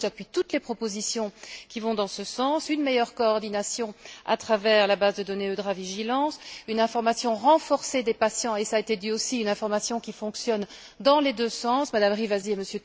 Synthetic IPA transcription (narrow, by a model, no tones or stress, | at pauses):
ʒapɥit̪ut̪lepχɔpozisjɔ̃kʲivɔ̃d̪ɑ̃səsɑ̃synmejœʁkɔːʁd̪inasjɔ̃a̰t̪χavɛːʁlabazd̪əd̪ɔneød̪ʁaviʒilɑ̃synɛ̃fɔʁmasjɔ̃ʁɑ̃fɔʁsed̪epasjɑ̃esaːet̪ed̪yosiynɛ̃fɔʁmasjɔ̃kʲifɔ̃ksjɔn | d̪ɑ̃led̪øsɑ̃smad̪amʁivazieməsjø